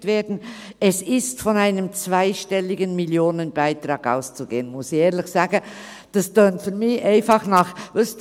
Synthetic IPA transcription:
tveːdn̩ | ɛsɪstfɔnaɪnəmt͡svaɪʃtɛlɪɡənmiljoːnənbaɪtɾɑːɡ̥a̰ʊst͡suɡḛːənmʊsɪçeːɾlɪxsɑːɡ̥ə | d̥ɑsd̥œːntfyɾmɪçʔaɪfɑχnɑχvɪs

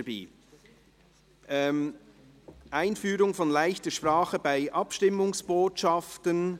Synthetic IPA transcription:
bḭː | ʔɛ | ʔaɪnfyːɾʊŋfɔnlaɪçtəʃpʁaːχəbaɪʔɑpʃtɪmʊŋsb̥oːtʃɑftən

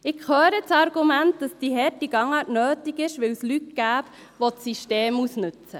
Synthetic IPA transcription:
ɪkχøːɾət͡sɑɾɡumæntd̥ɑsd̥iɦɛɾtiɡ̥ɑŋɑːtnøːtiɡɪʃʋɪwslytɡ̥æːp | ʋot͡sːiʃteːmusnʏt͡sə

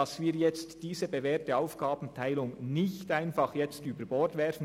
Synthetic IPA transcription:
ɑsviːjɛt͡std̥iːzəbevɛːɐtəaʊfɡ̥aːbn̩tʰaɪlʊŋnɪçtaɪnfɑχjɛt͡styːbəɾbɔɹtvɛɾfn̩

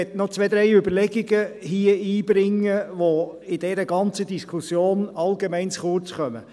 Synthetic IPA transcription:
ɛt̪nɔt͡sʋɛd̥̪ɾɛɪʏbəɾlɛɡiɡəhiəiːbɾɪŋːəʋoɪd̥ɛɾəɡɑnt͡səd̪iskχusjoːnɑlɡemɛɪnt͡sχʊrt͡sχœmə

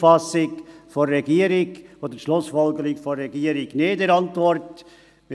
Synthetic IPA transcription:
fɑsɪkforːɛɡiːəɾɪɡodəʃlʊsfɔlɡəɾɪkfɔrːɛɡiːəɾɪɡnedəɾɑntvɔrt | mɪ

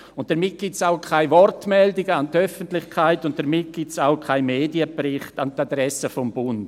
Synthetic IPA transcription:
ʊnt̚d̥əɾmɪt̚ɡ̥ɪsaʊkʰaɪvɔrtmɛldɪɡəantœfəntlɪχkʰaɪtʊnt̚d̥əɾmɪt̚ɡ̥ɪtsaʊkʰaɪmeːdiəbɾɪχtantadɾɛsəfɔmbʊnd̥

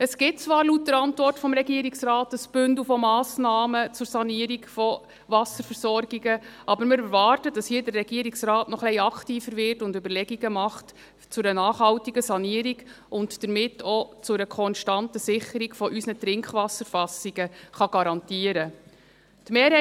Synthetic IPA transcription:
əsɡ̥ɪt̚t͡svɑːɾlut̚dəɾɑntʋɔrtfɔmɾɛɡiəɾiksɾɑːtəsb̥ʏndufɔmɑːsnɑːmət͡sʊɾsɑniəɾiɡfɔ | ʋɑsəɾfəɾsɔɾɡ̥iɡəʔɑbəɾmɪɾɛɾʋɑːɾtədɑshiːdərːɛɡiəɾiksrɑːtnɔχlɛɪɑktiːfəɾʋɪrtʊndøbəɾlɛɡiɡəmɑχt | t͡sʊɾənɑːχhɑwtiɡəsɑniːəɾiɡ | ʊntd̥əɾmɪtːɔt͡sʊɾəkʰɔnʃtɑntəsɪχəɾiɡfɔʔysnətɾɪŋkχʋɑsəɾfɑsiɡəχɑɡ̥ɑɾɑntiəɾə | tmeːɾhɛ

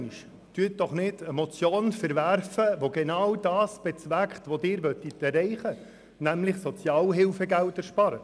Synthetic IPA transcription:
niʃ | tyət̚d̥ɔχnɪdəmɔt͡sjoːnfɛɾvæɾfəʋoɡenɑwdɑːsb̥ɛt͡svækχtʋodɪːɾʋœtitɛrɛɪχə | næmlɪχsɔt͡sjɑːlɦɪlfɛɡæltɛɾʃpɑɾə

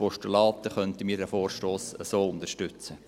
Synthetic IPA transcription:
pɔʃtulɑːt̪əχœnt̪əmiːɾdæfoːrʃtoːsəsoːʊnd̪əʃtʏt͡sə

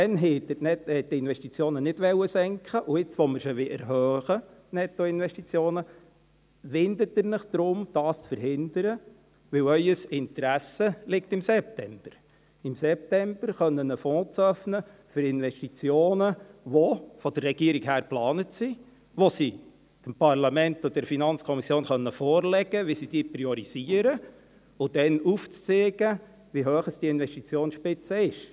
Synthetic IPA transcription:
tɛnɦɛtnɛhɛtːɪnʋɛʃtit͡sjoːnənɪdʋɛwəsɛŋkχəʔuɪt͡sʋɔməɾʃəʋɪʔɛɾɦøœːχənɛt̪ːɔɪnʋɛʃtit͡sjoːnə | ʋɪnd̪ətɪɾnɪχd̪̥ɾʊmd̥ɑːst͡sfəɾɦɪnd̪əɾə | ʋɪwœʏəsɪnt̪ɾæsəlɪktɪmsɛp̚tɛmb̥əɾ | ɪmsɛp̚tɛmb̥əɾχœnːənəfɔ̃ːt͡sœfnə | fʏɾɪnʋɛʃtit͡sjoːnəʋofɔd̥ərːɛɡ̥iəɾiɡhæːɾplɑːnətsi | ʋosi | d̥əmpɑrlɑmɛnt̪ɔdɛɾfinɑnt͡skʰɔmisjoːnχœnːəfɔːrlɛɡəʋisid̥iːpɾiɔɾiziəɾə | ʊd̥̪ɛnuft͡st͡seːɡ̥ə | ʋiɦøːχəsd̥iːɪnʋɛʃtit͡sjoːnsʃpɪt͡səɪʃ

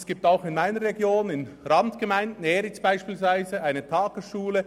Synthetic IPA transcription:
sɡ̥iːp̚taʊxɪnmaɪnəɾːɛɡjoːnɪn | ɾɑntɡ̥əmaɪndn̩ɛːɾɪt͡sb̥aɪʃpiːlsv̥aɪzəaɪnətʰaːɡəsʃuːlə

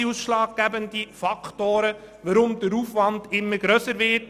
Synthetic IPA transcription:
iusʃlɑːɡ̚ɡ̥æbəndifɑkʰtoːɾə | ʋəɾʊmd̥əɾuːfvɑndɪmːəɾɡɾœsəɾvɪt

